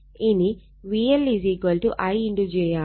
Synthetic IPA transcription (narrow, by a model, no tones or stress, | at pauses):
ini | ʋiːeliziːɡʋɐlʈuʔɐjiɳɖud͡ʒɛːjaː